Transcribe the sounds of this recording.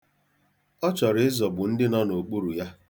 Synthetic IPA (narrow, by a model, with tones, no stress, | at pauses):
ɔ˦t͡ʃɔ˨ɾɪ˨ɪ˦zɔ˨bʊ˨n̩˦dɪ˦na˦no˨k͡pu˦ɾu˨ja˦